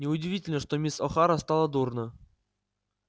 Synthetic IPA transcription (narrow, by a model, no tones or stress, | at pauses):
nʲɪʊdʲɪvʲitʲɪlʲnəʂt̪omʲisɔxaɾəst̪alˠəd̪urnə